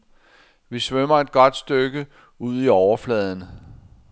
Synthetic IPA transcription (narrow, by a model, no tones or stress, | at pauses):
ʋisʋømɐe̝d̥̚ɡ̥ɒ̽d̥sd̥øɡ̥ə | uð̞̰ˠiɒʊɐflɛð̞ˠənə